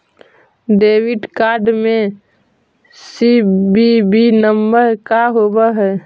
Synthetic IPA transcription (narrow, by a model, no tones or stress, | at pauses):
ɖeːwiɖkaːɾɖmẽ | sibibinəmbəɾkaɦobaɦɛ